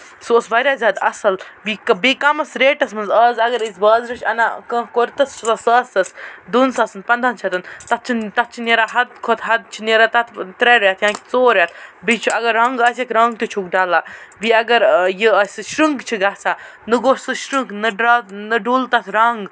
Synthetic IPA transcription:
suosbɐɾʲjaːzʲaːd̪ɐ̰sɐlbikbikɐmɐsɾeːʈɐsmɐnzəːzɐɡɐɾisbəːzɾɨt͡ʃʰɐ̰na̰ːkə̃ːkoɾʲt̪ɐst͡ʃʰlɐsəːsɐsd̪unsɐːsɨnpɐnd̪ʱaːnt͡ʃʰɐt̪ɐnt̪ɐt̪̚t͡ʃʰint̪ɐt̪̚t͡ʃʰineɾaɦɐd̪̚kʰot̪ʰɦɐd̪̚t͡ʃʰineɾat̪ɐt̪ʰt̪ɾeɾaːt̪ʰjãːkit͡soːɾjat̪̚ʰbit͡ʃʰuɐɡɐɾːɐŋɡɐːsɐkʲɾɐŋɡ̚t̪ut͡ʃʰukɖaːlaːbiɐɡɐɾjiəsʲʃɾɨŋɡt͡ʃʰiɡaːsaː | nɨɡoʃsɨʃɾɨŋɡnɨɖɾanɨɖuːlt̪ɐt̪ʰɾɐŋɡ

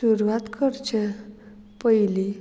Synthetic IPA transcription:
uɾuʋat̪kəɾt͡ɕʰe | pəjli

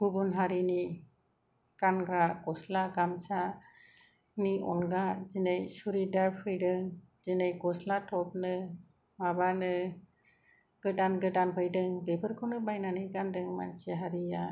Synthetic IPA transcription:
ɡ̥ubunɦaɾini | kanɡaɾaɡɔslaɡamsa | niɔ̰nɡazinejsuɾidaɾpʰɯjdɯŋ | zinejɡɔslatʰɔp̚nɯ | mabanɯ | ɡ̥ɯdanɡɯdanpʰɯjdɯŋbebʰɯɾkʰɔnɯbajnanɯɡandɯŋma̰nseɦaɾija

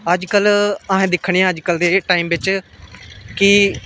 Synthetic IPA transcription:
əd͡ʒkələɦẽːd̪ɪkʰːɽ̃eːãːəd͡ʒkəld̪eːʈaːiːmʋɪt͡ʃ | ki

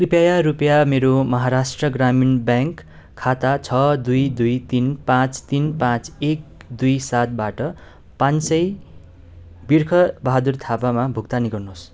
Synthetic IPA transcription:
kripjajaɾupjameɾomʌɦaɾasʈrʌɡraminbjãŋkʰː | at̪at͡sʰʌd̪ujd̪ujt̪inpãt͡st̪inpãt͡sek̚d̪ujsat̪̚baʈʌ | pãnsʌj | birkʰʌbʌɦad̪urt̪ʰapamabʱukt̪aniɡʌrnos

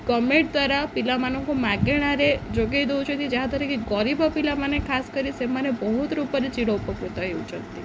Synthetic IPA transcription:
ɡəmeʈ̚d̪ʋaɾapilamanɔ̃komaɡeɽ̃aɾed͡ʒoɡejd̪out͡ʃʰət̪id͡ʒaɦãd̪aɾikeɡɔɾibapilamanekʰaskəɾisemanebəɦut̪ɾupəɾit͡ʃiɽɔupəkɾut̪aeut͡ʃʰənt̪i

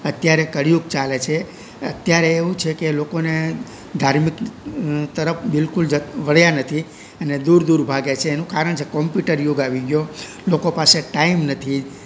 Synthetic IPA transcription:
ət̪jaɾekəɽijuk̚t͡ʃalet͡ʃʰe | ə̰t̪jaɾeːʋũt͡ʃʰekelokone | d̪ʱaɾmik | t̪əɾəpʰbɪlkuld͡ʒəʋəɭ̤janət̪ʰi | əned̪uɾd̪uɾbʱaɡet͡ʃʰeːnũkaɾəɳt͡ʃʰekɔmpjuʈəɾjoɡaʋiɡjo | lokopaseʈaimnət̪ʰi

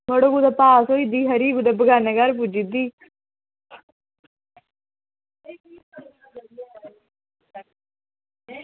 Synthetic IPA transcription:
məɽoːɡud̪aːpaːsoːid̪iːɦəɾiːɡuːd̪abəɡaːneɡaɾp̬ud͡ʒid̪iː

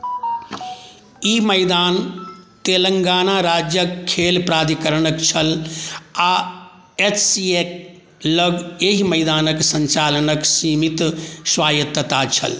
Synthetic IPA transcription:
iːmɐjd̪aːnt̪eːləŋɡaːnaːɾaːd͡ʒjəkʰːeːlpɾaːd̪ʱikəɾənəkt͡ʃʰɐl | a | et͡ʃsiek̚ | ləɡeɦimɐjd̪aːnəksɐɲt͡ʃaːlənəksiːmit̪swaːjɐt̪ːət̪aːt͡ʃʰɐ̰l

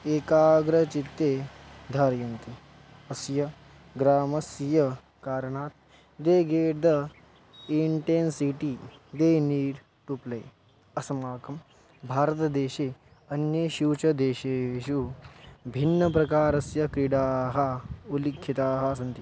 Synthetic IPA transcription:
eːkaːɡɾɐt͡ʃit̪ːeːd̪ʱaːɾjɐnt̪i | ɐsjɐ | ɡɾaːmɐsjɐ | kaːɾɐɳaːt̪̚ | d̪eːɡeːʈd̪ɐ | iɳʈensiʈid̪eːniːɾ | ʈuplɐj | ɐsɐmaːkɐm | bʱaːɾɐt̪ɐd̪eːʃeː | ɐnjɐʃuʋt͡ʃɐd̪eːʃeːʃu | bʱinːɐpɾɐkaːɾɐsjɐkɾiɽaːɦɐulikʰːit̪aːɦɐs̬ɐnt̪i

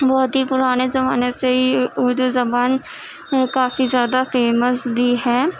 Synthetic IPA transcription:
bɔːt̪ɦipʊɾaːnezɐbaːneseɦiʊɾd̪uzɐbaːn | kaːfizjaːd̪afeːməsbʱiɦɛː

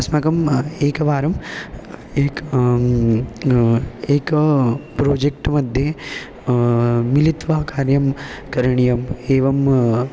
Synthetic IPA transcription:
ɐsmakɐmeːkɐʋaːɾɐm | eːk | eːkpɾoːd͡ʒek̚ʈmɐd̪ʱje | milit̪ʋɐɦkaːɾjɐmkɐɾɐɳijɐmeːʋɐm

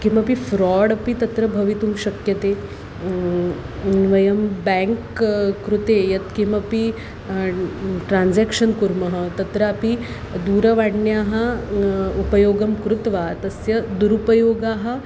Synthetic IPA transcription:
kimɐpifɾɔɽɐpit̪ɐt̪ɾəbʱɐʋit̪uːmɕɐkjɐt̪e | ʋɐjɐmbɛ̃ŋkkːɾut̪ejɐt̪kimɐpi | ʈɾand͡zɛkʂənkuɾmɐɦət̪ɐt̪ɾɐapi | d̪uːɾɐʋaɽnjaɦa | upəjoːɡɐmkɾut̪ʋat̪ɐsjɐd̪uɾupəjoːɡaɦa

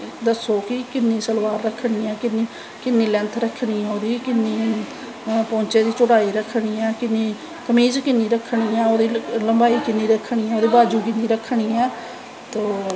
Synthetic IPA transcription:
d̪əsoːkɪkɪnːĩːsəlʋaːɾːəkʰːɽ̃iːɛːkɪniː | kɪnːiːlɛ̃nt̪ʰɾəkʰːɳ̃iːɛ̃oːd̪iːkɪnːiː | pɔ̃ːɲt͡ʃeːd̪iːt͡ʃʊɽaːiːɾəkʰɽ̃iːɛːkɪnːiː | kəmiːd͡ʒkɪnːiːɾəkʰːɳ̃iːɛ̃ːoːd̪iːləmbaːiːkɪnːiːɾəkʰːɳ̃iːɛːoːd̪iːbaːd͡ʒuːkɪnːiːɾəkʰːɽ̃iːɛː | t̪oː

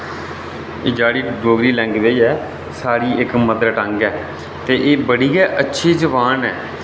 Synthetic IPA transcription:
ɪd͡ʒaːɽiːɖoːɡɾiːlɛ̃ːŋɡʋeːɛː | saːɽiːɪkməd̪ɾəʈəŋɡɛː | t̪eːʔeːbəɽiːɛːʔətːʃʰiːd͡ʒəʋaːnɛː

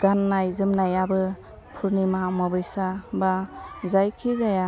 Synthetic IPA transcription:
ɡ̥anːajzɯmnajabɯ | pʰuɾnimamɔbɯjsabazajkʰizaja

